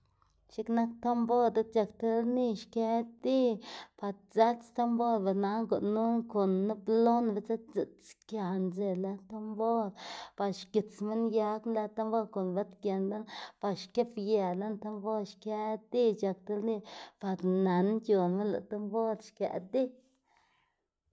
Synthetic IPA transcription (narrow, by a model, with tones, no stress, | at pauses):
ʃi˦kna˦k̚t̪o˦mbo˦d̪a˦t̪̚t͡ʃa˧kt̪e˦lni˦˧ʃka˧˦d̪i˦pa˧ɾza˦t͡st̪o˦mbo˦ɾba˨na˧ŋɡu˨ʔnu˦ŋko˨nːa˦blo˦nba˧t͡sa˦zi˨tt͡skja˨nze˧la˧˦t̪o˦mbo˦ɾpa˨ʃki˨t͡smi˦nja˧˦knla˧˦t̪a˦mbo˦ɾko˨nba˦t̪kʲe˨nla˦npa˨ʃke˦pja˨la˦nt̪a˦˧mbo˦ɾʃka˧˦d̪i˦t͡ʃa˧k̚t̪a˧lni˧pa˨ɾna˨˦nt͡ʃjo˨nme˦nla̰˨t̪a˦mbo˦ɾʃka̰˨d̪i˦